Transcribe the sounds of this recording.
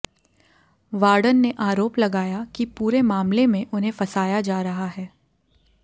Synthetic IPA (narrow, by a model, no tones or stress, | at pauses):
ʋaːɾɖənːeʔaːɾoːplɐɡaːjakipuːɾemaːmlemẽʔʊnɦẽfɐsaːjad͡ʒaːɾɐɦaɦɛː